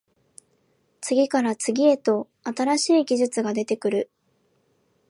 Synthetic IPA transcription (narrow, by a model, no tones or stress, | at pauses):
t͡sɨɡʲikaɾat͡sɨɡʲie̞t̪o̞ | at̪aɾaɕiːɡʲiʑɨt͡sɨɡad̪e̞t̪e̞kɯ̟ɾɯ̟